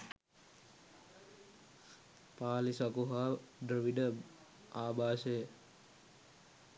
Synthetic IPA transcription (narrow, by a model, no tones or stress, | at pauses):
paːlisakuɦaːɖrəʋiɖə | aːbaːsejə